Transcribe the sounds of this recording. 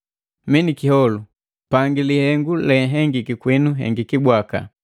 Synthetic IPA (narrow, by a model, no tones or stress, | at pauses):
minikihɔlu | paŋɡilihɛŋɡulɛɦɛŋɡikikwinuɦɛ̰ŋɡikibwaka̰